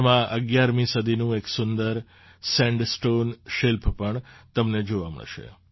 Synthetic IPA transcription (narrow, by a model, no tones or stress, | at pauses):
mãʔə̰ɡjaɾmĩsəd̪ʱinũeksʊnd̪əɾ | sɛ̃ɳɖsʈonʃɪlpʰpəɳt̪əmned͡ʒoʋamə̰ɭʃḛ